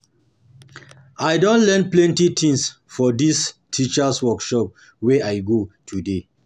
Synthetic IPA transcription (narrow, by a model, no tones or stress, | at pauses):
ajdõnlɛ̃nplɛ̃ntitʰĩŋsfɔdistʰit͡ʃaswɔkʃɔp̚ | wɛajɡotʰude